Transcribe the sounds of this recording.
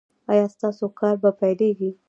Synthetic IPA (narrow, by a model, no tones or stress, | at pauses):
ɑjɑst̪ɑsokɑɾbapajleɡi